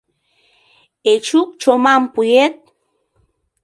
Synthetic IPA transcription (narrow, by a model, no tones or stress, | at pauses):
et͡ʃuk̚t͡ʃomampujet̪̚